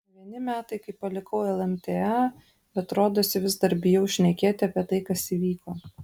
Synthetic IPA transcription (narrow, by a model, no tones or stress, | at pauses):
ʋʲiɛnʲɪmʲæːt̪ɐɪkɐɪpɐlʲɪkɐʊɛlˠɛmʲt̪ʲeɛ | bʲɛt̪ɾoːd̪oːsʲɪʋʲɪzd̪ɐɾʲbʲɪjɛʊʃʲnʲɛkʲeːt̪ʲɪɐpʲiɛt̪ɐɪkɐsiːʋʲiːkoː